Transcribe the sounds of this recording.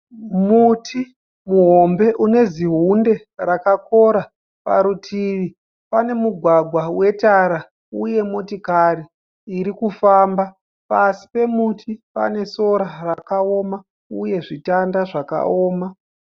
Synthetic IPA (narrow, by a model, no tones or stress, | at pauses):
mutʰi | muɦo̞mbe̞ʔune̞ziɦunde̞ | rakako̞ɾa | pa̰ɾutʰiʋi | pane̞muɡʱwaɡʱwawe̞taɾa | uje̞motikaɾiː | ɾikufamba | pasi̥pe̞mutʰipa̰ne̞so̞ɾarakao̞ma | uje̞ʐitandaʐaka̰oːma